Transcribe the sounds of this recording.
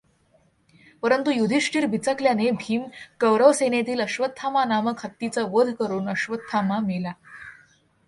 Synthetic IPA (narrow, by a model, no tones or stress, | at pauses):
pəɾənt̪ujud̪ʱiʂʈiːɾbʱit͡səkljanebʱiːmkəʋɾəʋsenet̪iːləɕʋət̪ʰːamanaməkhət̪ːit͡səʋəd̪ʱkəɾuːnəɕʋət̪ʰːamamela